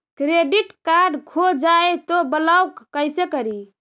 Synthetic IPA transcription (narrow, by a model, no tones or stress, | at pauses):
kɾeɖiʈkaɾɖkʰod͡ʒaet̪obəlawkːəjsekəɾi